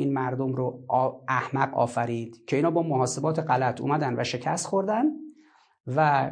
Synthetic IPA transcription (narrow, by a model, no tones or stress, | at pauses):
iːnmæɾd̪omɾoæhmæɢɒ̰ːfæɾiːd̪̥cʰe̞iːnɒːbɒːmoɦɒːse̞bɒːt̪ʰe̞ɢælæt̪ʰṵːmæd̪ænvæʃe̞cʰæst̪χxo̞ɾd̪æn | væ